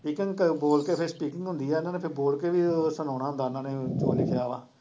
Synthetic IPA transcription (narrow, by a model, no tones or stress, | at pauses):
piːkɪ̃ŋɡkboːlkeːpʰɪɾspiːkɪ̃ŋɡɦʊ̃nd̪iːɛːɪnãːneːpʰɪɾboːlkeːʋiːsənaːnaːɦʊnd̪aːɪnãːneːd͡ʒo̰ːlɪkʰejaːʋa̰ː